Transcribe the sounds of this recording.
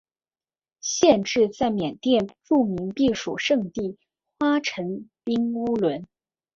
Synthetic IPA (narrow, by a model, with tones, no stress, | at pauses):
ɕjɛ˥˧nʈ͡ʂɻ̩˥˧t͡sa˥˩ɪmjɛ˨˩nt̪jɛ˥˧nʈ͡ʂu˥˩mi˧˥ŋpi˥˩ʂṵ˨˩ʂɤ˥˧ŋt̪i˥˩ | xwa˥ʈ͡ʂʰə˧˥ŋpi˥ŋu˥lwə˧˥n